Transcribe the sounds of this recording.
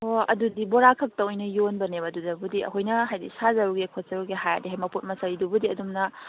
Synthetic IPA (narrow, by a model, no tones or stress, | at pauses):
oɐ̰dudiboɾakʰɐk̚tɐojnɐjonbɐnebɐdudɐbudiɐ̰kʰojnɐɦajdisazɐɾuɡekʰot̚z̥ɐɾuɡeɦajadiɦajmɐput̚mɐsɐɾidubudiɐdumnɐ